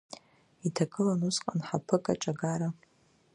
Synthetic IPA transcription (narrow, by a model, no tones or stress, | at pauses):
itʰakʼɨlanuzqʼanħapʰɨkʼa̰ʈ͡ʂʼaɡaɾa